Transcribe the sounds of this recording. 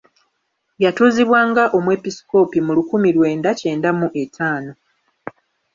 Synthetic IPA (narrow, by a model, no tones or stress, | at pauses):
jatuːziβwaːŋɡaʔo̞mwe̞pisi̥ko̞pimulukumilwe̞ːndace̞ːndamuʔe̞tʰaːno̞